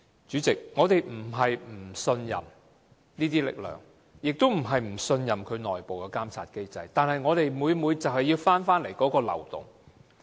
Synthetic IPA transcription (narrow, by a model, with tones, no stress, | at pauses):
t͡ʃyː˨˥t͡sɪ˨k̚ŋɔː˨˧t̪e˨jm̩˨˩ɦɐ˨jm̩˨˩sɵ˧njɐ̰˨m | niː˥t̪iː˥lɪ̰˨k̚lœ̰ː˨˩ŋ | jɪ˨k̚t̪o˥wm̩˨˩ɦɐ˨jm̩˨˩sɵ˧njɐ˨˩mkʰɵ˨˧ɥnɔː˨jpo˨wkɛ˧kaː˥mt͡sʰa̰ː˧t̚ke˥jt͡sɐ˧jt̪aː˨nhɦɐ˨jŋɔː˨˧t̪e˨jmuː˨˧jmuː˨˧jt͡sɐ˨˩whɐ˨jːiː˧wfaː˥nfaː˥nle˨˩jkɔː˨˥kɔː˧lɐ̰˨˩wt̪ʊ̰˨˩ŋ